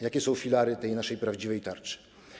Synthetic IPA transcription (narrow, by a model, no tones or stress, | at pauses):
jakʲɛsɔ̃w̃fʲilaɾɘt̪ɛjnaʂɛjpɾavd͡ʑivɛjt̪aɾt͡ʂɨ̥